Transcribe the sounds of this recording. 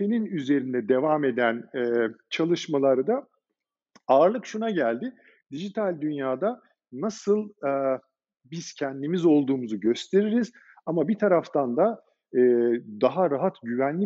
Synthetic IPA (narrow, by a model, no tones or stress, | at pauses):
eninyze̞ɾind̪ɛd̪e̞vaːme̞d̪ænɛt͡ʃʰalˠɯʃmalˠaɾɯd̪a | aːɾlˠɯkʃunaɟælʲd̪ɪ | d̪iʒit̪ʰalʲd̪ynjaːd̪a | nasɯlˠɯ | biz̥cʰɛnd̪imizo̞lˠd̪uːmuzuɟø̞st̪ʰe̞ɾiɾiz̥ | amabit̪ʰaɾaft̪ʰand̪a | ɯːd̪aɦaɾaɦat̪ɟyvænlʲi